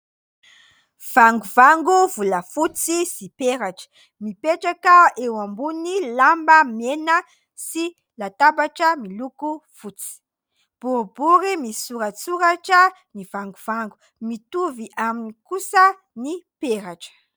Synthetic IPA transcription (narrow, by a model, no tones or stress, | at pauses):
v̥aŋɡuvaŋɡuvulafut͡sisipeɾat͡ʃə̥ | mipet͡ʃakaewambunilambamena | si | lat̪abat͡ʃamilukufut͡si̥ | b̥uɾbuɾimisuɾat͡suɾat͡ʃə | nivaŋɡuv̥aŋɡu | mit̪uviʔaminikusa | nipeɾat͡ʃ